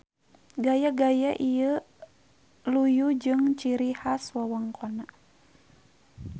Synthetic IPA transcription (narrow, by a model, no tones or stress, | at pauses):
ɡajaɡajaʔiə | lujud͡ʒɨŋt͡ʃiɾihaswawaŋkʰɔna